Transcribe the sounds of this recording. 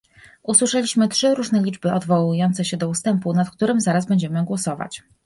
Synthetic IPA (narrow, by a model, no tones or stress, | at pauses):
uswɘʂɛlʲiɕmɘtʂɘɾuʐnɛlʲid͡ʐbɘʔɔd̪vɔwujɔnt̪sɛɕɛd̪ɔust̪ɛmpunat̪k̚t̪uɾɘmzaɾazbɛɲd͡ʑɛmɘɡwɔsɔva̰t͡ɕ